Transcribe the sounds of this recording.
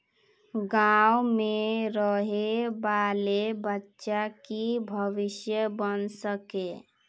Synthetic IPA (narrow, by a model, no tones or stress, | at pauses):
ɡawmeɾəɦebalebətːʃakibʱəʋisjəbənsəke